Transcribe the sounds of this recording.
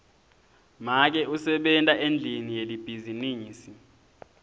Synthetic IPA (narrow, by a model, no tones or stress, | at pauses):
mak̬ɛusɛɓɛntʼaʔend͡ɮʱinijelib̥ʱiziniːiːsi